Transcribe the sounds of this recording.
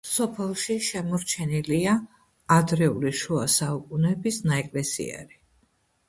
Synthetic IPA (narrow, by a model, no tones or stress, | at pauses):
sɔpʰɛlˠʃiʃɛmɔɾt͡ʃʰɛniliaː | d̪ɾɛuliʃuasaukʼunɛbisnaɛkʼlɛsḭɛ̰ɾi